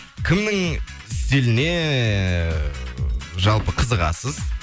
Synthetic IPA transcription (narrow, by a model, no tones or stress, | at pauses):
kʲʰɪmnɪŋ | ɪst̪e̞lɪne̞ | ʒɑlˠpəqʰəzəʁɑ̰səz